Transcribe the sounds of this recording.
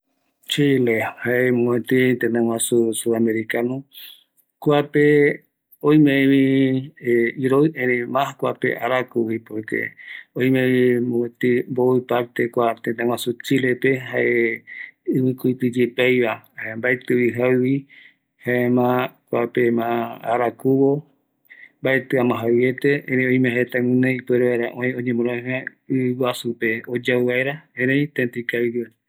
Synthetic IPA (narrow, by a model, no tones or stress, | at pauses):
t͡ʃilehaemõwẽt̪it̪enẽwãsusuameɾikanũ | kʷape | oj̃mẽβi | iɾoɨẽɾẽmãkʷapḛʔaɾakuwipoɾkḛõj̃mẽimõẽt̪imboipaɾt̪ekʷat̪ẽnẽw̃asut͡ʃilepeɦaʔe | ɨβɨkujt̪ɨd͡ʒepajβaembaet̪ɨiɦauwi | haemãkʷapemãa̰ɾakuβo | mbaet̪ɨamãɦawjet̪eẽɾẽõj̃meɦet̪aŋũnẽipeɾeβaɾãʔõĩõɲẽmõɾõẽɦa | ɨwasupeod͡ʒawβaeɾaẽɾeĩt̪ẽnt̪ikaβiɾie